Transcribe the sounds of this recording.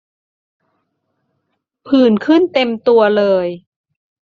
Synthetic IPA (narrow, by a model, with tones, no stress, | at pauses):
pʰɯː˨˩nkʰɯ˥˩nt̪e˧mt̪u˧ɐlɤː˧j